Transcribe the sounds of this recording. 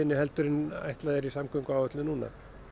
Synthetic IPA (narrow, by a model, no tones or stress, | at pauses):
ɪnːɪhɛlt̪ʏɾɪna̰jht̪laðɛɾisamkʏŋkawɔt̪lɪnunːa̰